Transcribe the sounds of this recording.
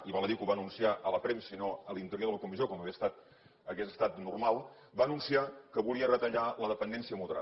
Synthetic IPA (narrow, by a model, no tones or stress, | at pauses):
iβaləðikuβaənunsiaʔələpɾɛmsinoəlint̪əɾjoðələkumizijokɔməβiəst̪at̪ | əɣesəst̪at̪nurmalˠ | baənunsiakəβuliərət̪əʎaləðəpənd̪ɛnsiəmuðəɾa̰